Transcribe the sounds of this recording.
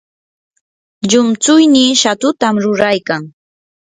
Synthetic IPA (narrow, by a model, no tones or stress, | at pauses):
ʎʊmt͡sʊjniʃat̪ʊt̪amɾʊɾajkaŋ